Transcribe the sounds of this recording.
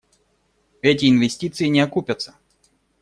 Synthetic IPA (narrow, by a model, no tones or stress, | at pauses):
ɛtʲɪɪnvʲɪsʲtʲit̪sɨjɪnʲɪɐkupʲət̪sə̥